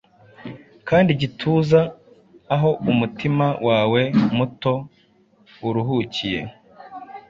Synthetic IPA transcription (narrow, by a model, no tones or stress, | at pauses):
kaːndiɟitʰuːzaː | ɦo̞umutimawʔaːwe̞muto̞ | uɾuɦucije̞̰